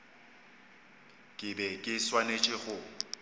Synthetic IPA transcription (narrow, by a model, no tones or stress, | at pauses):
kʼɪbɛkʼɪswanet͡ʃʼɪχʊ